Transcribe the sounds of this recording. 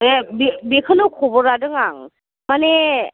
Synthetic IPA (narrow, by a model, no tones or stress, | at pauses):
ebebekʰɯnɯkʰɔbɔɾadɯŋaŋ | mane